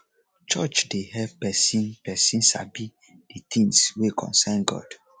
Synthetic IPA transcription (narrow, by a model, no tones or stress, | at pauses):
t͡ʃɔt͡ʃdeɦɛvpɛsĩnpɛsĩnsa̰bi | d̥it̪ʰĩŋswekʰɔ̰̃nsãnɡɔ̰d̥